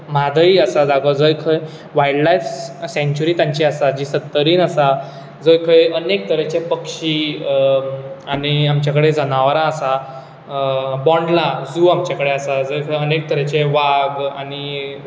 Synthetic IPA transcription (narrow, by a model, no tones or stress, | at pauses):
m̤ad̪ʱəiəsad͡z̪aɡəd͡zəjkʰəj | ʋajɖlajfsẽɲt͡ɕuɾiːt̪jãɲt͡ɕiasad͡ʑiːsət̪ːəɾiːnəsa | d͡zəjkʰəjənek̚t̪əɾət͡ɕepəkʂiː | añiamt͡ɕjakəɽed͡zənaʋɾãəsa | bɔɳɖlad͡zuːamt͡ɕjakəɽeasad͡zəjkʰəjənek̚t̪əɾet͡ɕeʋaɡani